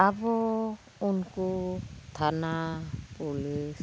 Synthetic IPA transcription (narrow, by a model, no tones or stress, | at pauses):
abɔ | unkut̪ʰanapulis